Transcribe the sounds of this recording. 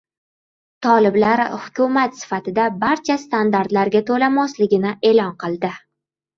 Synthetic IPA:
t̪ʰɒlɪblaɾhʊkʲʰʊmat̪sɪ̥fat̪ɪd̪abaɾt͡ʃʰast̪and̪aɾt̪laɾɡʲat̪ʰolamɒslɪɡʲɪnɪʔe̞lɒnqʰɨlˠd̪ɪ

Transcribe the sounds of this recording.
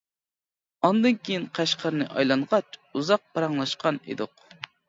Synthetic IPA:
ɑnd̪ɨnkʲʰejinqʰæʃqʰɑɾnɨʔɑjlˠɑɴʁɑt͡ʃuzɑq̚pɑɾɑŋlˠɑʃqɑnḛd̪ʊq

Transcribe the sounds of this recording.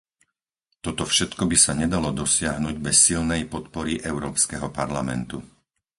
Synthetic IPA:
t̪ɔt̪ɔfʃɛt̪kɔbisaɲɛd̪alɔd̪ɔsɪaɦnuɟbɛsːilnɛjpɔt̪pɔɾiʔɛʊɾɔːpskɛɦɔpaɾlamɛ̰nt̪u

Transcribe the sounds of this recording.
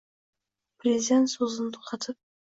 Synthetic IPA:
prʲezʲid̪ʲent̪sozənt̪ʰu̥qʰɑt̪ʰəp̚

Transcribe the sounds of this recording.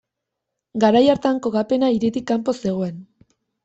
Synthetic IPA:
ɡaɾajaɾt̪aŋko̞ɣape̞naiɾit̪ikːampo̞se̞ɣ̞o̞e̞n

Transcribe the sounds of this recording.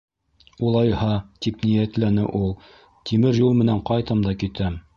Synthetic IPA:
ulˠɑjhɑt̪ipnijæt̪lænɘʔulˠ | t̪ʰimɘɾjulˠmɘ̆næɴqɑjt̪ɤmd̪ɑkit̪æm

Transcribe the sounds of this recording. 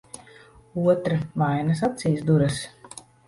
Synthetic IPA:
uɔt̪ɾavajnas̬at̪siːsd̪uɾɐs

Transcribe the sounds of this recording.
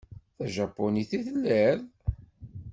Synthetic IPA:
θæʒæpːoniθiθlːæɾ

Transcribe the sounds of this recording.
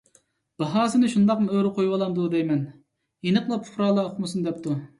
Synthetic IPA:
b̥ɑɦɑːsɨnɨʃund̪ɑqmɨøɾɪqʰojwɑlˠɑnd̪ud̪ɛjmɛn | jenəqlˠɑpʰχɾɑːlˠɑʊχmɨsund̪ɛp̚t̪ʰu

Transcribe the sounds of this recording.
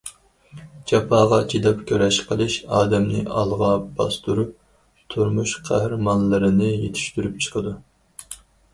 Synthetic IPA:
d͡ʒɑpʰɑːʁɑt͡ʃʰid̪ɑpkʲʰøɾɛʃqʰəlˠɨʃɑːd̪ɛmnɪ̰ʔɑ̰lˠʁɑb̥ɑst̪uɾup | t̪ʰuɾmuʃqʰæhɾmɑnlɨɾɨnɨjet̪ʰi̥ʃt̪yɾypt͡ʃʰə̥qʰəd̪u

